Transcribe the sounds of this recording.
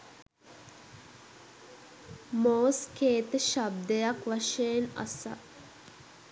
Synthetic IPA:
moːskeːt̪əʃab̚d̪ejakʋaʃeːna̰sa̰

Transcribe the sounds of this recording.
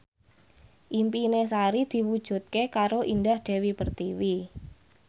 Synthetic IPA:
ʔimpinesaɾid̪̥i̤wud̥ʒ̥ṳt̪̚kekaɾoʔindahɖ̪̥e̤wipərt̪iwi

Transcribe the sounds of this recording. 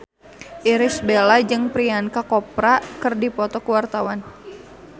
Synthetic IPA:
ʔiɾɪsbelad͡ʒɨŋpɾiankakɔpɾakɨrdipɔt̪ɔkuwart̪awan

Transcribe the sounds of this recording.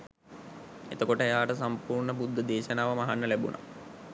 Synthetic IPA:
et̪əkoʈəejaːʈəs̬ampuːrɳəpud̪ʱːəd̪eːʃənaːʋəmaɦanːəlæbṵnʔa̰

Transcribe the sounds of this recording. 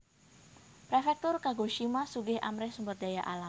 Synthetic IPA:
pɾefɛk̚t̪ʊrkaɡoʃimasuɡɪhʔa̰mɾɛhsumbərdajaʔala

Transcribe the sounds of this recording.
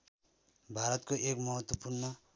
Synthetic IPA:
bʱaɾʌt̪koʔekmʌɦʌt̪wʌpurnʌ

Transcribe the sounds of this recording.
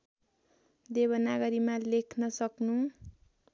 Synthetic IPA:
d̪eβʌnaɡʌɾimalekʰnʌsʌknu

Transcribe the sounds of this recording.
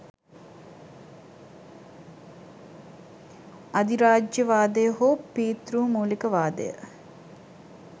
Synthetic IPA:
ɐd̪iɾaːd͡ʒjəʋaːd̪əjəɦoːpiːt̪ɾuːmuːlikəʋaːd̪ə̰jə̰

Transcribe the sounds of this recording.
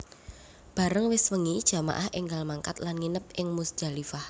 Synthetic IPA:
b̥a̤ɾəŋwɪswəŋid̥ʒ̥a̤ma̰ʔahʔɪŋɡalmaŋka̰t̪lanŋinəp̚ʔɪŋmusdʒ̥alifah

